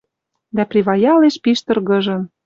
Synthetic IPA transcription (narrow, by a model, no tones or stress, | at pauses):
d̪æprʲiβɑjɑleʃpiʃt̪ɤ̆rɣɤ̆ʒɤ̆n